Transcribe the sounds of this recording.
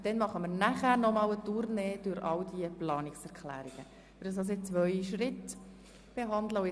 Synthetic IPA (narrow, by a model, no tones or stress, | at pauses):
d̥ɛnmɑχəməɾnæχæːɾnɔmɑːwətuɾneːd̥ʊɾʔɑwdiəplɑːnɪksɛɾkχlæ̰ːɾiɡ̥ə | fdɑs̬ɑs̬ɪt͡sʋœʏʃɾɪt | b̥eɦɑnd̪ləʊ